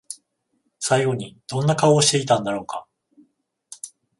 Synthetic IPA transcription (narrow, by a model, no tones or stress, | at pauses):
saiɡo̞ɲ̟id̪̥õ̞nːakaoːɕi̥t̪e̞it̪ãnd̪aɾo̞ːka